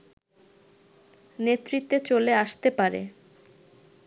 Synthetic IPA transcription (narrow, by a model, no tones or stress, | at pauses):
net̪ːɾit̪ːet͡ɕoleaʃt̪epaɾḛ